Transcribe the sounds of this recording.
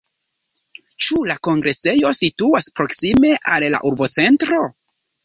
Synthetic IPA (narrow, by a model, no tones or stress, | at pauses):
t͡ʃulako̞ŋɡɾe̞se̞jo̞situaspɾo̞ksime̞ʔalla̰ʔuɾbo̞t͡se̞ntɾo̞